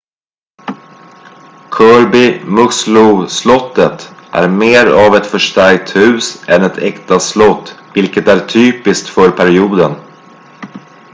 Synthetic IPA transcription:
kʰœːɾbɪmɵslʊslɔt̪ːət̪ʔæ̰ɾmeːɾavɛt̪fœʂʈæɾk̚t̪hʉ̟ːsʔɛnɛt̪ʰɛkt̪aslɔt̪ːvɪlkət̪æɾt̪ʰyːpɪskt̪fœɾpʰæɾɪuːd̪ən

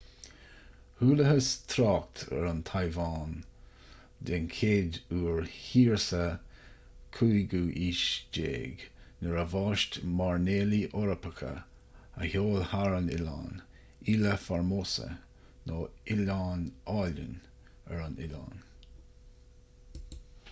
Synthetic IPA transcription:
huːləɦəst̪ʰɾɑːk̚t̪ʰə̰ɾant̪ʰajvɑːn | d̪ɪnkʰeːd̪uːɹhiːɹsə | kʰuːjɡuːʔiːʃd͡ʒḛːɡnəɹəvɑːʃtmaɹneːliʔɔɾəpəkʰə̰ | əhoːlhaɹənɪ̰la̰ːn | iːləfaɹmoːsə̰ | noːɪlaːnɑːlə̰n | əɹanɪla̰ːn

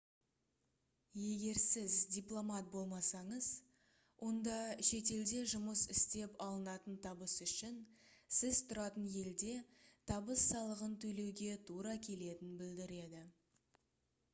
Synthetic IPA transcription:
je̞ɡʲe̞ɾsɪzd̪ʲijplˠo̞mɑt̪̚bo̞lˠmɑsɑɴəz̥ | wʔo̞nd̪ɑʃe̞t̪̬e̞ld̪e̞ʒʊməsɪst̪e̞pɑlˠənɑt̪ənt̪ʰɑbəsʏʃɪnsɪzt̪ʰʊɾɑt̪ənje̞ld̪e̞t̪ʰɑbəsːɑlˠəʁənt̪ʰɵle̞wɡʲe̞t̪ʰuɾɑkʲʰe̞le̞t̪ɪnbɪld̪ɪɾe̞d̪ɪ

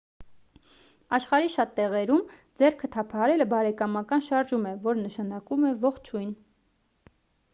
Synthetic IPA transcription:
ɑʃχɑɾiʃɑt̪ːɛʁɛɾumd͡zɛrkʰət̪ʰɑpʰɑhɑɾɛləbɑɾɛkɑmɑkɑnʃɑɾʒumɛvɔɾnəʃɑnɑkumɛvɔχt͡ʃʰujn

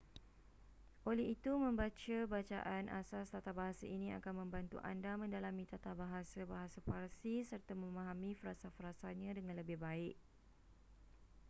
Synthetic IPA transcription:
ʔolɛhit̪umə̃mbat͡ʃabat͡ʃa̰ʔanʔa̰sast̪at̪abaɦasaʔinĩa̰kanmə̃mbant̪ṵʔa̰ndamə̃ndalamĩt̪at̪abaɦasabaɦasaparsisərt̪amə̃mãɦamĩfəɾasafəɾasaɲãdəŋãnləbɪhbaɪʔ̚

